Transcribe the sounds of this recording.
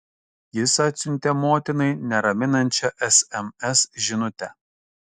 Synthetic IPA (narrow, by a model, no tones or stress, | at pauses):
jɪsɐt̪ʲsʲʊnʲt̪ʲɛmoːt̪ʲɪnɐɪnʲɛɾɐmʲɪnɐnʲˑt͡ʃʲɛʔɛsɛmɛsʒʲɪnʊt̪ʲɛ